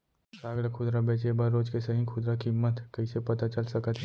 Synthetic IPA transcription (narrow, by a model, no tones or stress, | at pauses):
saːɡlkʰʊd̪ɾabeːt͡ʃebəɾːoːd͡ʒkesɐɦĩkʰʊd̪ɾakimːət̪kɐisepɐt̪at͡ʃəlsɐkət̪